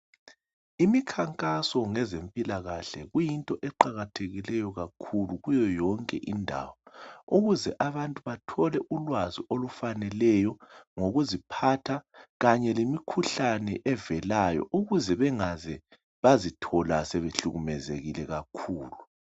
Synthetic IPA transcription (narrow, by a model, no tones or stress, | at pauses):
imikʰaŋkʼasɔŋɛzempʼilaɣaɬɛɣujintʼɔʔɛǃaɣatʰeɣilɛjɔɣakʰuluɣujɔjɔŋkʼɛ̰ʔindʱa̰wɔuɣuzɛʔaβantʼuβatʰɔlɛʔulwaziʔolufanɛlɛjɔŋoɣuzipʰatʰaɣaɲɛlimikʰuɬanɛʔɛvɛlajɔ̰ʔuɣuzɛβɛŋazɛ | βazitʰɔlasɛβeɬuɣumɛzeɣilɛɣakʰuːlu